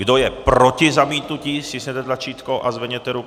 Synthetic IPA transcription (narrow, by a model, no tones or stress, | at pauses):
ɡdojɛpɾocɪzamiːt̪nuciːsɪsɲɛt̪ɛt̪lat͡ʃiːt̪kowʔazvɛɲɛt̪ɛɾuk